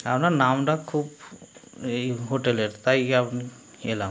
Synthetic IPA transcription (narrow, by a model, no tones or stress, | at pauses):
apnanaːmɖakʰuːb | ɦoːʈeleɾt̪aiapni | ḛla